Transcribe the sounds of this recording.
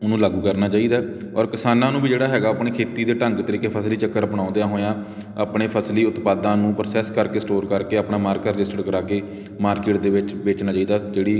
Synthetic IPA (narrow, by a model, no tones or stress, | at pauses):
ʊnũːlaːɡuːkəɾnaːt͡ʃaːiːd̪aː | ɔːɾkɪsaːnãːnũːbiːd͡ʒeːɽaːɦɛːɡaːəːpɳeːkʰeːt̪iːd̪eːʈəŋɡt̪əɾiːkepʰəsliːt͡ʃəkːəɾəpəɽãːʊnd̪ejãːɦoːjãː | aːpɳeːpʰəsliːʊt̪paːd̪ãːnũːpɾəsɛːskəɾkeːsʈoːɾkəɾkeːapɳaːmaːɾkaːɾɪd͡ʒɪsʈəɖkəɾaːkeː | maːɾkɪːʈ̚d̪eːʋɪt͡ʃbeːt͡ʃnaːt͡ʃaːiːd̪aːd͡ʒeːɽiː